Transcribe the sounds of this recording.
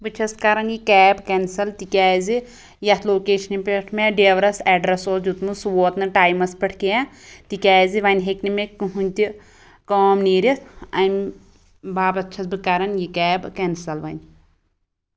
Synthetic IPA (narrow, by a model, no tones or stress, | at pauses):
bɨt͡ʃʰɐskɐɾɐnjikɛːbkɛnsɐlt̪ikʲɛːzi | jɐt̪ʰloːkeːʃɐnipʲeʈʰmeɖeːʋɾɐsɛːɖɾɐsoːsʲjut̪mɨsʋoːt̪nɨʈaːjmɐspɐʈʰkejãt̪ikʲaːziʋɐnʲɦeknimekɨɦunʲt̪i | koːmniːɾʲit̪ʰɐmʲ | baːbɐt͡ʃʰɐsbɨkɐɾɐnjikɛːbkensɐlʋɐnʲ